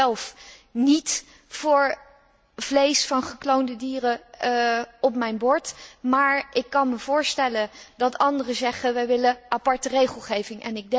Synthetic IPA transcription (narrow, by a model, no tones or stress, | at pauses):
ɛlˠfnit | fʊːɹ | v̥lejsfɑnχəklowndədiːrə | ɔp̚mɛjnbɔɹtmaːɹʔɪkːɑnməv̥ʊːɹstɛləndɑtɑndərəzɛχəʋɛjʋɪləʔapɑɹtərejχəlˠχejvɪŋʔɛ̰nɪɡ̚dɛ